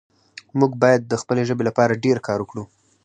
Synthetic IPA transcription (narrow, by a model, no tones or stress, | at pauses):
muɡbɑjad̪̚ːəxpəleʒəbelapɑɾaɖeɾkʰɑɾwəkɽu